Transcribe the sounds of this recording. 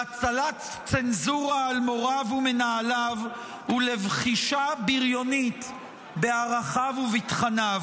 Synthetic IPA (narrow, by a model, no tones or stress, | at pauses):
at͡salat̪st͡senzuʁaːlmo̞ʁavumenaːlav | hulevχiʃabiʁjo̞nit̪ | beaʁaχavuvitχanav